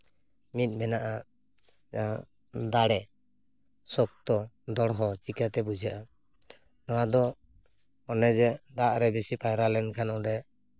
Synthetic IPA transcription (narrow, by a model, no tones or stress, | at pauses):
mit̪̚ˀmɛnaʔa | a | d̪aɽɛ | sɔk̚t̪ɔ | d̪ɔɽɦɔt͡ʃikat̪ɛbud͡ʒʱjaʔa | nɔwad̪ɔ | ɔnɛd͡ʒɛd̪aʔɾɛbɛsipajɾalɛnkʰanɔdɛ